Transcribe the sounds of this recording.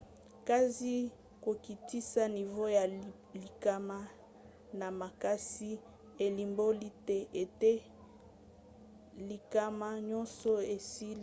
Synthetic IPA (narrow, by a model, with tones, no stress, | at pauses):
ka˦zi˦ | ko˨ki˨ti˦sa˦ni˨vo˦ja˨ | li˨ka˦ma˦ | na˨ma˨ka˦si˦ | e˨li˨mbo˦li˦te˦ʔe˨te˦ | li˨ka˦ma˦ɲɔ˦nsɔ˦e˨si˦